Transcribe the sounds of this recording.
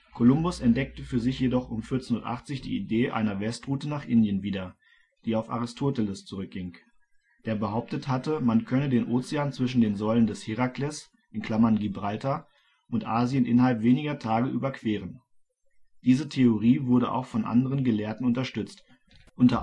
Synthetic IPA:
kʰolʊmbʊsɛnt̚d̥ɛk̚təfyːɐzɪçjedɔχʔʊmfɪɐt͡senuɐtʔa̰χt͡sɪçd̥ḭːideːʔa̰ɪnɐvɛstʁ̥uːtənaːχʔɪndjənviːdɐ | d̥iːaʊfa̰ʁɪstʰoːtɛlɪst͡suʁʏk̚ɡ̥ɪŋ | d̥eːɐbəɦaʊp̚təthatəmankʰœnədeːnʔoːt͡siaːnt͡sv̥ɪʃn̩deːnzɔʏləndɛshiʁaklɛs | ʔɪnkʰl̥amɐnɡibʁaltʰa | ʔʊntʔaːzjənʔɪ̰nɐhalpv̥eːnɪɡɐtʰaːɡəʔyːbɐkv̥eːʁən | d̥iːzətʰeoʁiːvʊɐɾəʔa̰ʊxfɔnʔa̰ndəʁənɡəleːɐtn̩ʊntɐʃtʏt͡st | ʔʊntɐ

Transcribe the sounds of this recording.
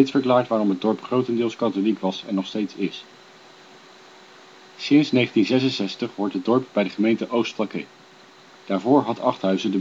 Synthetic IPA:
jtsfəɹklaːɹtʋaːrɔmɦəd̚ɔɹpχrowtəndɪːlˠskɑtolikʋɑsɛnːɔχstejtsɪs | sɪnsnejχəntinzɛs̬ənsɛstəχʋɔɹtɦədɔɹpbɛjdəχəmejntəʔowstflɑkḛj | d̥aːɹvʊːɹɦɑtɑχtɦœɥzədə

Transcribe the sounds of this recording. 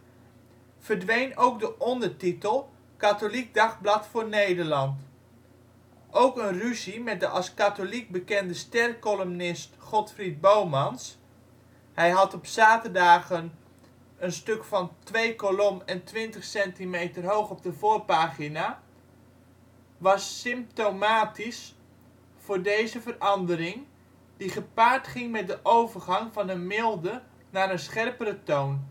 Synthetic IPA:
v̥ərdʋejnowk̚dəʔɔndəɹtitəlˠ | katolik̚dɑχblɑtfoːɹnejdəɹlɑnt | ʔowkənryzimɛt̚dəʔɑskatolik̚bəkɛndəstɛrkɔlomnɪstχɔtfrid̚bowmɑns | hɛjɦɑtɔpsaːtədaːɣən | ənstøkfɑntʋejkolɔmɛntʋɪntəχsɛntimejtərɦowχɔp̚dəvoːrpaːχina | ʋɑsːɪmp̚towmaːtis | fʊːɹdejzəvərɑndəɾɪŋ | diχəpaːrtχɪŋmɛt̚dəʔowvərχɑŋvɑnənmɪlˠdə | naːɾənsχɛrpəɾətown

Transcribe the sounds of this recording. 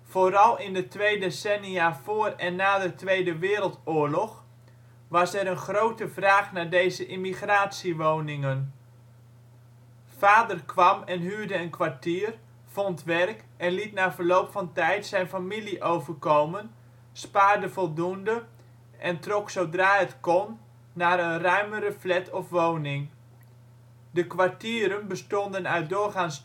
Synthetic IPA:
foːɾɑlˠɪndətʋejdesɛniavoːrɛnːaːdətʋejdəʋɪːɾəlˠtʊːɹlɔχ | ʋɑsɛɾənχrowtəvraːχnaːdejzəʔɪmiχraːtsiʋownɪŋən | faːdərkʰʋɑmɛnɦyːɹdəənkʋaɹtiːr | fɔntʋɛrk | ɛnlitnaːvəɹlowpfɑntɛjtsɛjnfamiliʔowvərkowmən | spaːɹdəvɔlˠdundə | ʔɛntrɔksowdraːɦətkɔnː | aːɾənrœɥmərəflɛtʰɔfʋownɪŋ | dəkʋaɹtiːɾənbəstɔndənœɥt̚dʊːɹχans

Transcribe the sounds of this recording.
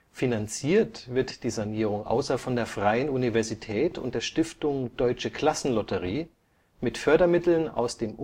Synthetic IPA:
finant͡siːɐtv̥ɪɐtd̥iːzaniːʁ̞ʊŋʔa̰ʊsɐfɔndeːɐfʁ̥aɪənunivɛɐzitʰɛːtʰʊ̰ntd̥eːɐʃtɪftʊŋd̥ɔʏt͡ʃəkʰl̥asn̩lɔtʰəʁiː | mɪtfœɐdɐmɪtl̩na̰ʊsd̥eːmʔ

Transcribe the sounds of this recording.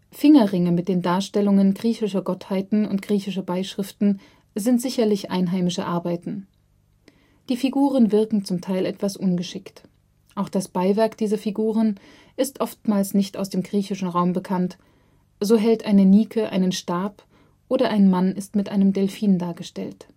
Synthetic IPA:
fɪŋɐʁɪŋəmɪt̚d̥eːndaːɐʃtɛlʊŋənɡʁiːçɪʃɐɡɔthaɪtn̩ʊ̰ntɡ̥ʁiːçɪʃ̬ɐbaɪʃʁ̥ɪftn̩ | zɪntz̥ɪçɐlɪçʔa̰ɪnɦaɪmɪʃə̰ʔaɐbaɪtn̩ | d̥iːfiɡuːʁ̞ənvɪɐkŋ̩t͡sʊmtʰaɪlɛtv̥asʔʊnɡəʃɪkt | ʔaʊxd̥asb̥aɪvɛɐkd̥iːzɐfiɡuːʁ̞ən | ʔɪstʔɔftmaːlsnɪçtʔaʊsd̥eːmɡʁiːçɪʃn̩ʁaʊmbəkʰant | z̥oːɦɛltʔaɪnəniːkʰəʔa̰ɪnənʃtaːɐp | ʔoːɾɐʔaɪnmanɪstmɪtʔa̰ɪnəmdɛlfiːndaːɐɡəʃtɛ̰lt

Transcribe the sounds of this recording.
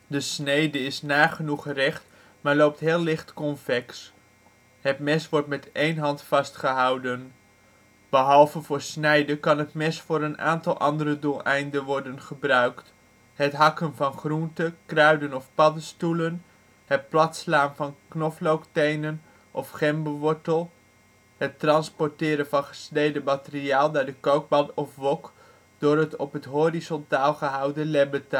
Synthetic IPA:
dəsnejdəɪsnaːχənuχrɛχt | maːɹlowp̚tɦɪːlːɪχtkɔnfɛks | hətmɛsʋɔɹtmɛtejnɦɑntfɑstχəɦɑwdən | b̥əɦɑlˠvəvʊːɹsnɛjdəkɑnɦətmɛsfʊːɾəna̰ːntɑlˠʔɑ̰ndərədulˠɛjndəʋɔɹdənχəbrœɥkt | ɦətɦɑkənvɑnχruntəkrœɥdənɔfpɑdəstulən | hət̚plɑtslaːnvɑnknɔflowktejnən | ʔɔfχɛmbəʋɔɹtəlˠ | ɦətrɑnspɔɹtɪːɾənvɑnχə̥snejdəmatəriaːlˠdaːɹdəkowɡ̚bɑtɔfʋɔk | d̥ʊːrətɔpɦətɦorizɔntaːlˠχəɦʌwdəlɛbətə

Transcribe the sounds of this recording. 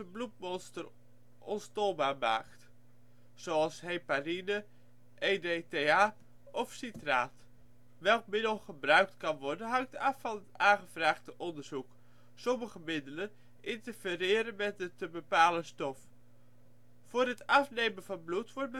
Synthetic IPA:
əblut̚mɔnstər | ʔɔnstɔlˠbaːɹma̰ːkt | soɑlˠsɦejparinə | ʔejdeteaː | ɔfsitraːt | ʋɛlˠkmɪdəl̩ˠχəbrœɥk̚tkɑnʋɔɹdənɦɑŋtɑfːɑnətaːχəvraːχtəʔɔndəɹz̥uk | sɔməχəmɪdələn | ʔɪntəɹfərɪːɾənmɛt̚dətəbəpaːləstɔf | fʊːrɦətɑfnejmənvɑnblutʋɔɹt̚bə

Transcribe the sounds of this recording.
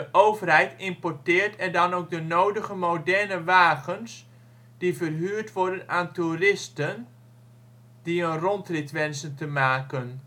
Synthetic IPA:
əʔowvərɦɛjtɪmpɔɹtɪːrtʰɛrdɑnowk̚dənowdəχəmowdɛɹnəʋaːχəns | d̥ivərɦyːrtʋɔɹdənaːnturɪstən | diənrɔntrɪtʋɛnsəntəmaːkən

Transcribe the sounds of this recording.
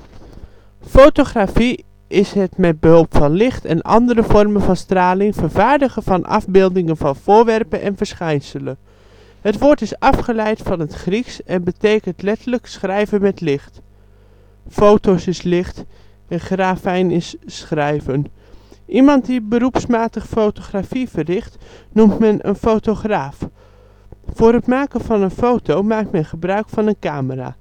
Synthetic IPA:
fowtoχraːfi | ʔɪsɦətmɛt̚bəɦɵlˠpfɑnlɪχtɛ̰nʔɑ̰ndəɾəvɔrmənvɑnstraːlɪŋv̥əɹvaːɹdəχəv̥ɑnʔɑ̰vbɪːlˠdɪŋənvɑnv̥ʊːɹʋɛrpənʔɛ̰nvəɹsχɛjnsələn | hətʋoːɹtɪsɑfχəlɛjtfɑnətχriksɛnbətejkəntlɛtələksχrɛjvənmɛtlɪχt | fowtowsɪslɪχt | əχraːfɛjnɪssχrɛjvən | ʔimɑntdibəɾupsmaːtəχfowtoχrafivərɪχtnumtmɛnʔə̰nfotoχraːf | fʊːɾɦətmaːkənvɑnənfowtowmaːk̚tmɛnχəbrœɥkfɑnənkaːməra̰ː

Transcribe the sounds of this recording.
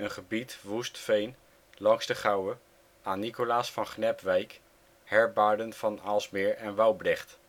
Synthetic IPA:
ənχəbitʋustfejn | lɑŋzdəχɑwə | aːnːikolaːsfɑnχnɛpʋɛjk | hɛɹbaːɹdənfɑnalˠsmɪːɹɛnʋɑwbrɛχt

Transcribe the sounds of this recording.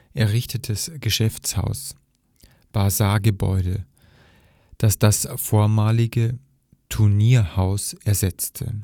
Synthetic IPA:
ʔɛɐʁɪçtətʰəsɡ̥əʃɛft͡sha̰ʊs | b̥aːzaːɡəbɔ̰ʏdə | d̥asd̥asfoːɐmaːlɪɡə | tʰuɐniːɐhaʊsʔɛɐzɛt͡stʰə̰

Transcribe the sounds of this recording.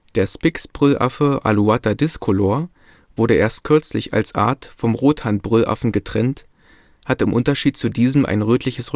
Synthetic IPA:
d̥eːɐspɪksb̥ʁʏlʔa̰fəʔa̰luatadɪskʰoloːɐ | v̥ʊɐɾəʔeːɐstkʰʏɐt͡slɪça̰lsʔa̰ːɐtfɔmʁoːthant̚b̥ʁʏlʔa̰fn̩ɡətʁ̥ɛnt | hatɪmʔʊntɐʃiːt̚t͡sudiːzəm̩ʔa̰ɪnʁøːtʰlɪçəsʁ

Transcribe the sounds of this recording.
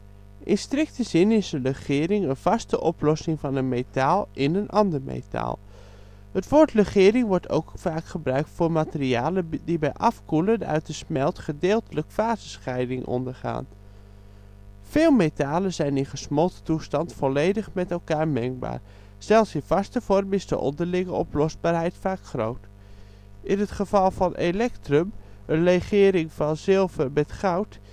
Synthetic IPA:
ʔɪ̰nstrɪk̚təzɪnɪsərəχɪːrɪŋənv̥ɑstəʔɔplɔsɪŋvɑnənmetaːlˠɪnənʔɑndəɹmḛjta̰ːlˠ | ɦətʋʊːɹtrəχɪːɾɪŋʋɔɹtʰo̰wkfaːkχəbrœɥk̚tfʊːɹmaːtəriaːlədibɛjʔɑfkulədœ̰ɥtdəsmɛlˠtχədɪːlˠtələkfaːzəsχɛjdɪŋʔɔ̰ndəɹχa̰ːn | fɪːlˠmetaːləzɛjnɪnχəsmɔlˠttustɑntfɔlejdəχmɛtɛlˠkaːɹmɛŋk̚ba̰ːr | z̥ɛlˠfsiv̥ɑstəvɔrmɪzdə̰ʔɔ̰ndərlɪŋəɔ̰plɔsbaːrɦɛjtfaːkχrowt | ʔɪnɦətχəvɑlˠvɑnʔelɛktrøm | ənreχɪːɾɪŋfɑnzɪlˠvərbɛtχawt

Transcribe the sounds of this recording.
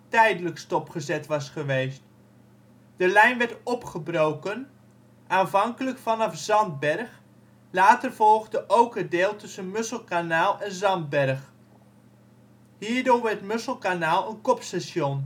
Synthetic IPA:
tɛjdələkstɔpχəzɛtʋɑsχəʋejst | d̥əlɛjnʋɛɹtɔpχəbrowkən | ʔaːnvɑŋkələkfɑnɑfz̥ɑnd̚bɛɹχ | laːtəɹvɔlˠχdəʔowkədeːlˠtɵsənmɵsəlˠkanaːlˠɛnzɑnd̚bɛɹχ | ɦiːɹdoːɹʋɛɹtmɵsəlˠkanaːlˠənkɔpstaʃɔn

